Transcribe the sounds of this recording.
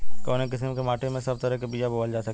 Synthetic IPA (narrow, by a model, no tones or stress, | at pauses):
kɔ̃ːnek̬ɪsəmkemaːʈemẽsɐb̚t̪ɐɾəɦkebiːjaboːld͡ʒaːsɐk